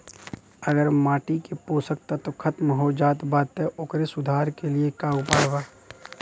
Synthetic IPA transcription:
əɡəɾmaːʈikepoːsək̚t̪at̪okʰɐt̪mɦod͡ʒaːt̪baːt̪ːeʔʊːkɾesʊd̪ʱaːɾkeliekaːupaːɽbaː

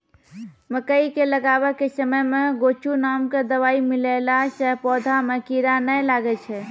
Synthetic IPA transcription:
məkəikeləɡaʋəkesəməjmeɡot͡ʃunamked̪əʋaimilelasəɦpɔd̪ʱamekiɾanəlaɡɛt͡ʃʰɛ

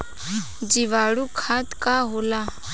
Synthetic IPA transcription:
d͡ʒiʋaːɽukʰaːt̪kaːɦoːlaː

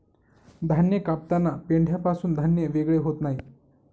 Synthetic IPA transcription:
d̪ʱanjəkap̚t̪anːapeɳɖʱjapasuːnd̪ʱanjəʋeɡɭeɦot̪naɦi

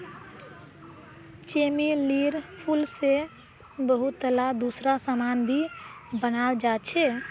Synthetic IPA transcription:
t͡ʃemiliɾpʰulse | bəɦut̪ːəlad̪usɾasəmanbʱibənald͡ʒat͡ʃʰɛ

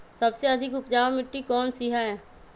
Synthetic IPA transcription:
sɐbseɐd̪ʱɪkʊpd͡ʒaːwmɪʈːikɔːnsiɦaɦɛː

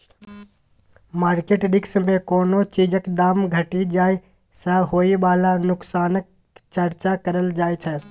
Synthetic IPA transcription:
maːɾkeːʈɖɪksmẽkoːnot͡ʃiːd͡ʒəkd̪aːmɡʱəʈid͡ʒaːi | saɦoːiʋaːlanʊksaːnək̚ | t͡ʃəɾt͡ʃakəɾəld͡ʒaːet͡ʃʰɛ

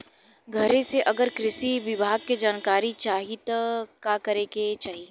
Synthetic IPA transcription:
ɡʱɐɾẽseʔɐɡəɾkɾɪʃiʋɪbʱaːɡ̚ked͡ʒaːnkaːɾit͡ʃaːɦɪt̪kakɐɾeːket͡ʃaːɦie

